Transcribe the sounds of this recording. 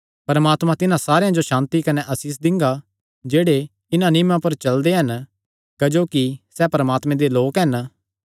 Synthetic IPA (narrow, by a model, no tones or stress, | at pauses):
pɐɾmaːt̪mãt̪ɪnãsaːɾejãd͡ʒoʃãːnt̪ikɐneʔɐsiːs̬d̪ɪ̃ŋɡa | d͡ʒeːɽe | ɪnãnɪmãpɐɾt͡ʃɐld̪eɦɐn | kɐd͡ʒoːkisɛpɐɾɐmaːt̪mẽd̪eloːkɦɐn